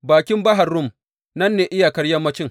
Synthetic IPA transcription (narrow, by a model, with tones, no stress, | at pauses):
baː˨kʲɪ˦mbɐ˦ɦa˨rːʊ˦˨m | nɐ˦nːeː˨ʔɪ˦ja˨kɐ˦ɽjɐ˦mːɐ˦t͡ʃɪ˦ŋ